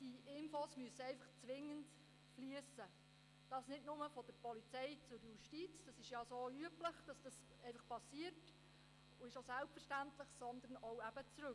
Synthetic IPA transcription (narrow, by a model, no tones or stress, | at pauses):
d̥iʔɪnfosmyəsəɛɪfɑχt͡sʋɪŋːənt | flyəsə | d̥ɑsnɪdnʊməfɔd̥əɾpɔlit͡sɛjt͡sʊɾjuʃtit͡sd̥ɑsɪʃjɑsoyəpləχd̥ɑsd̥ɑs | ɛɪfɑχpɑsiərt | ʊɪʃosælpfərʃtæntləχsɔnd̪ənowæb̥ət͡sɾɵk